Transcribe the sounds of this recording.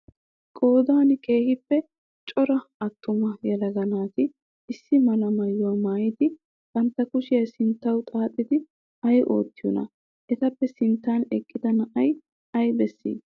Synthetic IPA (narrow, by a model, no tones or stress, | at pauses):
kʼo̞ːd̪aːnke̞ːhɪpːɛ | t͡ʃʼɔɾɐɐt̪ʰːʊmɐjɛlɐɡɐnaːt̪ɪ | ɪsːɪmɐlɐmɐjːʊɐmaːjɪd̪ɪ | b̥ɐnt̪ːɐkʊʃɪjɐsɪnt̪ːɐwt̪ʼaːt̪ʼːɪd̪ɪ | ɐjʔo̞ːt̪ːɪjɔ̰nɐ̰ | ʔɛt̪ɐpːɛsɪnt̪ːaːnɛkʼːɪd̪ɐnɐʔɐj | ɐjbɛsːḭː